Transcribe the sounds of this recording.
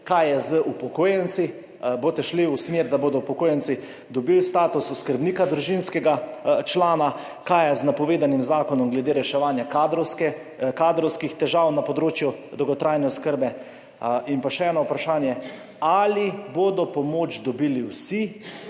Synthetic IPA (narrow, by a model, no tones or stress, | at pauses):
kajɛzəʔupɔkoːjɛnt̪si | boːt̪ɛʃliusmeɾd̪aboːd̪ɔupɔkoːjɛnt̪si | d̪ɔbilst̪aːt̪ususkəɾbniːkad̪ɾuʒinskɛɡat͡ʃlaːna | kajɛznapɔʋeːd̪animzaːkɔnɔmɡlɛd̪eːɾɛʃɛʋaːnjakad̪ɾɔskɛ | kaːd̪ɾɔwskixt̪ɛʒawnapɔd̪ɾoːt͡ʃjud̪ɔwɡɔt̪ɾʔajnɛɔskəɾbɛ | inpaʃɛɛːnɔupɾaʃaːnjɛ | aliboːd̪ɔpɔmoːt͡ʃd̪ɔbiːliwsi